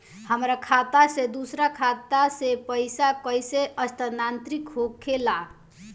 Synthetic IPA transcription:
həmɾakʰat̪ased̪usɾakʰat̪asepəjsakəjseəst̪ənant̪ɾikɦokʰːela

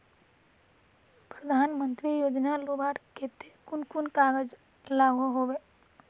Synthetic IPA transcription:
pɾəd̪ʱaːnmə̃nt̪ɾijoːd͡ʒnaloːbaːʈket̪ekʊnkʊnkaːɡəd͡ʒ | laːɡʱoɦoːʋeː

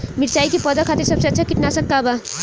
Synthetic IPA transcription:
miɾt͡ʃaikepɔd̪akʰat̪iɾsəbseətːt͡ʃʰakiʈnasəkːaba

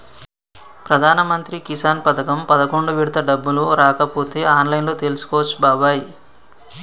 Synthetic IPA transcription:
pɾɐd̪ʱaːnɐmɐnt̪ɾikisaːnpɐt̪ɐkɐmpɐd̪ɐkoɳɖuʋiɽt̪ɐɖɐbːuluɾaːkɐpuːt̪eaːnlɐjnloːt̪elusu̥koɔːʋɐt͡ʃːubaːʋaːji

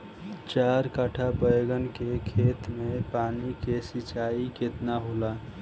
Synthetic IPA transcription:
t͡ʃaɾkaʈʰapəjɡənkekʰet̪mepaːnikesit͡ʃaiket̪naɦola

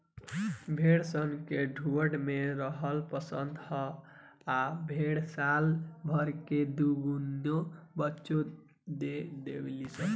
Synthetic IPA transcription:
bʱeɽsənkeɖʱuəɽmeɾəɦəlpəsənd̪hə | abʱeɽsalbʱəɾked̪uɡunobətːʃo | d̪ed̪eblisə

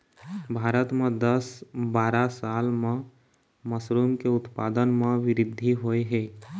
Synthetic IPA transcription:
bʱaːɾət̪mẽd̪əsbaːɾasaːlmẽ | məsɾuːmkeʊt̪paːd̪ənmẽʋɪɾɪd̪ʱːiɦoːeɦɛː

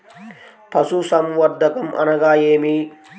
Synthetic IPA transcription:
pɐsuːsɐmwɐɾd̪ɐkɐmʔɐ̰nɐɡaːjeːmiː

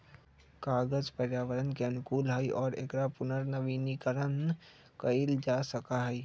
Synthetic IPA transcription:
kaːɡəzpəɾjaːʋəɾənkeɐnʊkuːlɦəiʔɔːɾḛkɾapʊnəɾnəʋiːnikəɾən | kəild͡ʒaːsəkaɦɛi

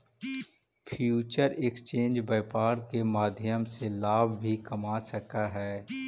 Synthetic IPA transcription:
pʰjuːt͡ʃəɾekst͡ʃẽːnd͡ʒbaːɪpaːɾkemaːd̪ʱjəmselaːbʱbʱikɐmasəkaɦɛː

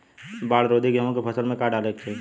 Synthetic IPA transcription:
baːɽɾoːd̪ʱiɡəɦõkepʰɐsəlmẽkaːɖaːleːk̚t͡ʃʰe

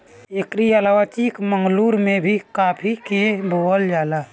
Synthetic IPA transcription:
ekɾijalawət͡ʃikməŋɡluɾmebʱikapʰikebʱoəld͡ʒaːla

